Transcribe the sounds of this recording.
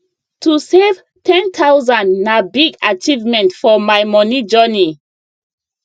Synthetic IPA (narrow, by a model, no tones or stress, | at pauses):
tusev | tʰɛ̃ntʰawzãndnabiɡat͡ʃivmɛ̃ntfɔmajmɔnid͡ʒɜni